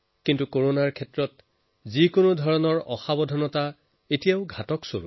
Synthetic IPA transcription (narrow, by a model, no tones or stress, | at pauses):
kintukoɹonaɹkʰɛtɹɔt | zikonʊdʱɔɹɔnɔɹɔxabɔdʱɔnɔta | etijaʊɡʱatɔkso̰ɹṵ